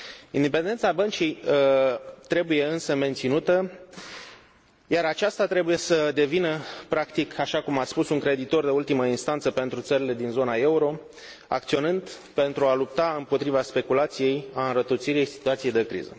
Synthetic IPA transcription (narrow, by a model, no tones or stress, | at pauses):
ind̪epend̪e̞nt̪sabənt͡ʃij | t̪ɾe̞buje̞ɨnsəme̞nt̪sinut̪ə | jaɾat͡ʃast̪at̪ɾe̞buje̞səd̪e̞vinəpɾakt̪ikʰaʃakumat̪spusuŋkɾe̞d̪it̪o̞rd̪eult̪iməinst̪ant̪səpe̞nt̪ɾut̪səɾile̞d̪inzo̞nae̞uɾo̞ | a̰kt̪sio̞nɨnd̪ | pe̞nt̪ɾualup̚t̪aɨmpo̞t̪ɾivaspe̞kulat̪sije̞jaɨnɾət̪ət̪siɾije̞jsi̥t̪uat̪sije̞jd̪e̞kɾḭzə̰